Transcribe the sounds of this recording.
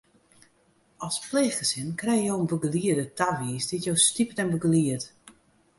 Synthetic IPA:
ɔlˠspleːxxəsɪnkrɛjjowənbəɡəliədətʰaʋiːsditjowstipətɛnbəɡliət

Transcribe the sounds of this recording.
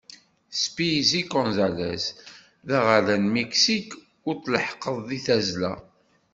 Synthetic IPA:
spizikɔ̃nzælæ̰s | ðæʁalænmeksik | ʊɾtləħqəðˤðiθæzlæ̰

